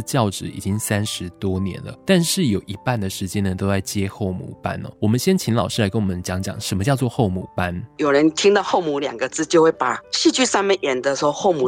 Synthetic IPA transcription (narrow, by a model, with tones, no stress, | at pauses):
t͡ɕjɑ˥˩ʊʈ͡ʂɻ̩˨˩ḭ˨˩t͡ɕi˦ŋsa˥nʂɻ̩˧˦t̪wɔ˥njɛ̰˧˦nlə̰˨t̪a˥˧nʂɻ̩˥˩jo˨˩ʊʔi˧˥pa˥˩nd̪ə˩ʂɻ̩˧˥t͡ɕjɛ˥nə˨˩t̪o˥ʊt͡sa˥˩ɪt͡ɕjɛ˥xo˥˩ʊmṵ˨˩pa̰˥nɔ̰˨wɔ˨˩mə˦nɕjɛ˥nt͡ɕʰi˧˥ŋlɑ˨˩ʊʂɻ̩˥˩a˧˥ɪkə˥nwɔ˨˩mə˦nt͡ɕjɑ˧˥ŋt͡ɕjɑ̰˨˩˦ŋʂə˧˥nmə˧t͡ɕjɑ˥˧ʊt͡swɔ˥˧xo˥˧ʊmu˨˩pa˦njo˨˩ʊɻə˧˦nt̪ʰi˥ŋd̪ɑ˧xo˥˧ʊmu˨˩ljɑ̰˨˩ŋɡə˨˧t͡sɹ̩˥t͡ɕjo˥˧xwe˥˩pa˨˩ɕi˥˧t͡ɕy˥˧sa˥˩mə˨nʔɛ˨˩nd̪ə˧˦swɔ˥xo˥˧ʊmu˨˩